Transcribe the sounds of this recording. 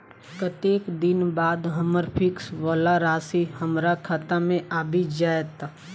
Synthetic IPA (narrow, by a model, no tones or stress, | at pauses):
kət̪eːkd̪ɪnbaːd̪ɦəməɾpʰɪkswəlaɾaːsihəmɾakʰat̪amẽʔaːbʱid͡ʒaːjt̪